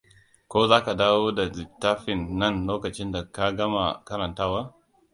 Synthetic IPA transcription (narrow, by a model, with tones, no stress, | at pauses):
kʷoː˦zaː˦ka˨daː˦woː˦da˨zɪ˨tːaː˦ɸɪ˨nːɐ˦˨nloː˦kɐ˨t͡ʃɪ˦nda˨ka˦ɡɐ˦ma˨kɐ˦ɾɐ˨ntaː˦waː˦